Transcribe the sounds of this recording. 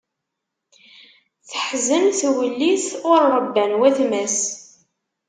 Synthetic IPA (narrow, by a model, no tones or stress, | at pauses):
θəħzənθwəlːiθʊɾːˤəbːænwæθmæs